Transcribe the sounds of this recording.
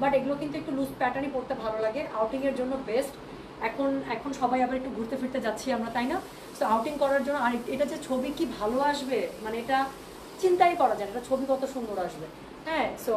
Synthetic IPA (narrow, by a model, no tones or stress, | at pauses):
baʈeɡulokint̪uek̚ʈuluspɛʈanipoɾt̪ebʱalolaɡeʔawʈiŋeɾd͡ʑonːobesʈ | ɛkʰonɛkʰonʃɔbʱajabaɾek̚ʈuɡʱuɾt̪efiɾt̪ed͡ʑatːʰiamɾat̪ajna | soawʈiŋkɔɾaɾd͡ʑonːoaɾeʈad͡ʑet͡ɕʰobikibʱaloaʃbemaneeʈa | t͡ɕint̪ajkɔɾad͡ʑaeeʈat͡ɕʰobikɔt̪ʰoʃund̪oɾaʃbe | ɦɛ̃so